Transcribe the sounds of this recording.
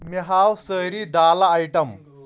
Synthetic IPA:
miɦawsəjɾid̪alaːjʈəm

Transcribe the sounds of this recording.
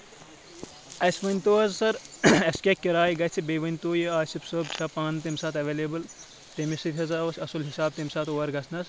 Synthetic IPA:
ɐsʲʋɐnʲt̪oːɐzsɐɾɐskʲekʲːiɾaːjɡɐt͡sʰibeʋɐnʲt̪oːjiaːsipsoːbt͡ʃʰɐpaːnt̪emʲsaːt̪ʰɐʋeːlebɨl | t̪emisit̪ʰʲɦɐzaːʋɐsʲɐsulɦisaːb̚t̪imʲsaːt̪ʰoːɐɾɡɐsʰnɐz

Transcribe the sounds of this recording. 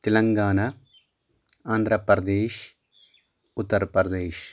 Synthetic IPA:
t̪elɐŋɡaːnɐ | aːnd̪ʱɾɐpɾɐd̪eːʃ | ut̪ːɐɾpɾɐɾɐd̪eːʃ

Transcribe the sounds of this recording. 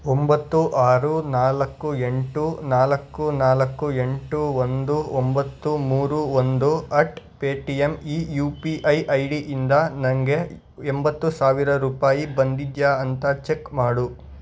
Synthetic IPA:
ombɐt̪ːuʔaːɾunaːlɐkːue̞ɳʈunaːlɐkːunaːlɐkːue̞ɳʈuond̪uombɐt̪ːumuːɾuond̪uɐʈpeːʈijemiːjuːpiʔɐjʔɐjɽiʔind̪ɐnɐŋɡe | embɐt̪ːusaːʋiɾɐɾuːpaːjibɐnd̪id̪jaːɐnt̪ɐt͡ʃekmaːɽu

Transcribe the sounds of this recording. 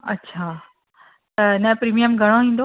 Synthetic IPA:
ɐ̰tːɕʰaː | t̪ɐɪnɐ̃pɾiːmijəmɡʱɐɽ̃oĩːnd̪o

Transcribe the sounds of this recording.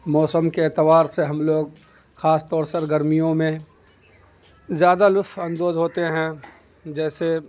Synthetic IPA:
mɔːsəmkeeːt̪ɪʋaːɾseɦɐmloːɡ | xaːst̪ɔːɾsɐɾɡəɾmijõmẽ | zjaːd̪alʊɐ̃nd̪oːzɦoːt̪eɦɛ̃ | d͡ʒɛːse

